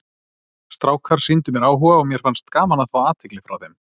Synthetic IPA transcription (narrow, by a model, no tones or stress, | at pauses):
st̪ɾaːwkʰaɾ̥sint̪ʏmjɛɾaːwɦɔːɣaɔmjɛɾ̥fanst̪kaːmanaðθawaːt̪ʰɪklɪfɾawθem